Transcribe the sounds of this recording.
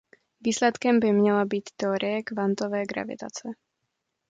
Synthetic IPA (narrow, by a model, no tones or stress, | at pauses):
viːslɛt̪kɛmbɪmɲɛlabiːt̪ːɛoɾɪjɛkvant̪ovɛːɡɾa̰vɪ̰t̪a̰t͡sɛ